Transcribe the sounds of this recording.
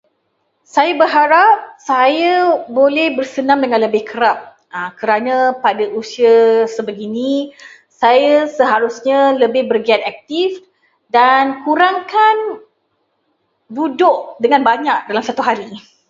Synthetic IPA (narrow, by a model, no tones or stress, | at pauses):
sajabərɦaɾap̚sajabolɛhbərsənãŋdəŋãnləbɪhkəɾap̚ | akəɾanapadaʔusiaəsəbəɡini | sajasəɦaɾusɲaləbɪhbərɡiat̪ak̚t̪if | dankuɾaŋkan | budʊʔdəŋanbaɲak̚dalamsat̪uɦaɾi